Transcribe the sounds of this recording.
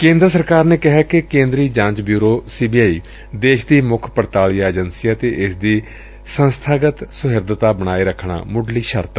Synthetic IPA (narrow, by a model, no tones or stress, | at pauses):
kẽːnd̪ɾəsəɾkaːɾneːkɪɦɛːkekẽːnd̪ɾiːd͡ʒãːɲt͡ʃbjuːɾoːsiːbiːaːiː | d̪eːʃd̪iːmʊkʰpəɾt̪aːlijaːeːd͡ʒənsijaːt̪eːʔɪsd̪iː | sənst̪ʰaːɡət̪sʊɦɪɾd̪ət̪aːbəɽ̃aːeːɾəkʰɳa̰ːmʊɖliːʃəɾt̪